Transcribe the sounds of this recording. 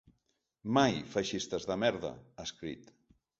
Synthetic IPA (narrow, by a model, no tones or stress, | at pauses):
majfaʃist̪əzðəmɛɾðə̰əskɾḭt̪